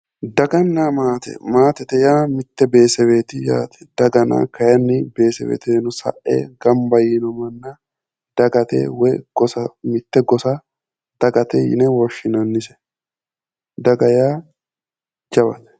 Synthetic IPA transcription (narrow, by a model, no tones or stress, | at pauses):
d̪ɐɡɐnːamaːt̪ɛ̰maːt̪ɛt̪ɛjaːmɪt̪ːɛbe̞ːsɛweːt̪ɪja̰ːt̪ɛ̥d̪̥ɐɡɐna̰ːkɐjɐnːɪbe̞ːsɛwḛːt̪enʊsɐ̰ʔḛːɡɐmbɐjɪnɔmɐnːa | d̪̥ɐɡɐt̪ḛːwɛɡ̥ɔsɐmɪt̪ːɛɡɔsa | d̪̥ɐɡɐt̪ɛjɪ̰nɛwɔʃɪnɐnːɪsɛ̥ | d̪ɐɡɐjaː | d͡ʒɐbɐ̰t̪ɛ̥